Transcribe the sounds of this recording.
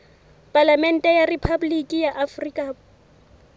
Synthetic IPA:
pʼalamɛn̩tʼɛjaripʰabulikʼijaʔafrikʼa

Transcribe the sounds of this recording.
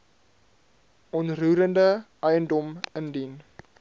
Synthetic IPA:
ʔɔntruːɾəndəʔɛjəndɔməndin

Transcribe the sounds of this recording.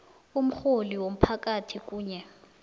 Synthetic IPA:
um̩xoliwom̩pʰakatʰik̬ʼuːɲɛ

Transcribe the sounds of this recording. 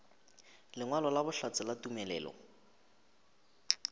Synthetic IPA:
lɪŋwalɔlabʊɬat͡sʼɪlatumɛlɛ̰ːlɔ̰

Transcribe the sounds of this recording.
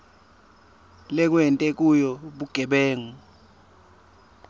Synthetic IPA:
lɛk̬wɛntʼɛk̬ʼujɔɓuɡ̥ʱɛɓɛːŋu

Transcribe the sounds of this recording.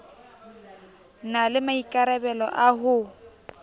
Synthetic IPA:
nalɪmaikʼaɾɛbɛlɔ̰ʔaɦʊ

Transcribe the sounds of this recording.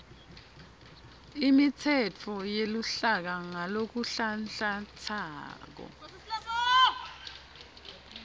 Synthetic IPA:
imitʰɛt͡fʰɔjeluɬak̬aŋalok̬uɬanɬat͡sʰaaːk̬ɔ̰

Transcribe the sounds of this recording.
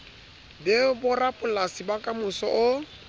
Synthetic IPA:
dɪbʊrapʼʊlasibakʼamʊsɔ̰ʔʊ

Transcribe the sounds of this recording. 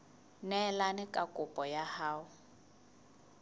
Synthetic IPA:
nɛlanɪkʼakʼʊpʼɔjahaːʊ

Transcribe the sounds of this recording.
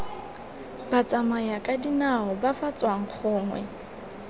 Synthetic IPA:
bat͡sʼamajakʼadinaɔbafat͡sʼwaŋ̩k͡xʰʊːŋwɛ̰

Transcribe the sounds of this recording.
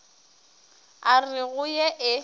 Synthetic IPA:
arɪɣʊjeʔɪ

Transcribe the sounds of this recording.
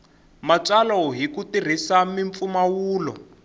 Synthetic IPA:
mat͡salɔɦikutir̤isamiɱp̪fumawuːlɔ̰

